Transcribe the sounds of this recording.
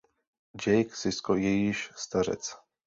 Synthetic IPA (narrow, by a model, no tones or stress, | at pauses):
d͡ʑɛjksɪskɔjɛjiʃst̪arɛ̰t̪s